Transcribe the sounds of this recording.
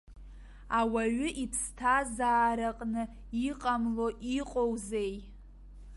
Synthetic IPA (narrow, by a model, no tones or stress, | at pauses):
awaɥʏʔipʰstʰazaːɾaqʼnɨ | iqʼamlo̞ʔiqʼowzej